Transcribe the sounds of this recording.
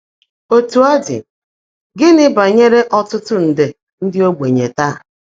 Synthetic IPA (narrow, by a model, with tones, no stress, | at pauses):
o˨tu˨a˦dɪ̰˨ | ɡɪ˦nɪ˦ba˨ɲe˦ɾe˦ʔɔ˦tʊ˦tʊ˦n̩˨de˨ | n̩˦dɪ˦o˦ɡ͡bʷe˨ɲe˨ta˦˨